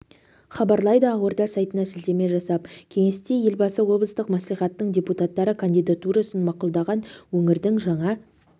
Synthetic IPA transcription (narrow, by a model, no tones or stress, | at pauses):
χɑbɑɾlˠɑjd̪əɑwoɾd̪ɑsɑjt̪ənɑsɪld̪e̞me̞ʒɑsɑp̚kʲʰe̞ŋe̞st̪eje̞lbɑsəwo̞bləst̪əqmæslijχɑt̪ːəɴd̪ʲe̞put̪at̪ːɑɾəkʰand̪ijd̪at̪uɾasənmɑqulˠd̪ɑʁɑnwɵŋɪɾd̪ɪŋʒɑɴɑ